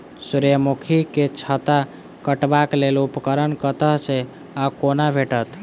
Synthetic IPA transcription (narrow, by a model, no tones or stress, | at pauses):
suɾjəmukʰiket͡ʃʰət̪a | kəʈbaklelupkəɾənkət̪əɦse | akonabʱeʈət̪